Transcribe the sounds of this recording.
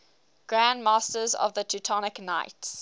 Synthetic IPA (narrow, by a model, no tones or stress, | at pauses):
ɡ̥ɹæ̃ndmɑˑstəzɔ̰vðətʰitʰɔnɪknaɪts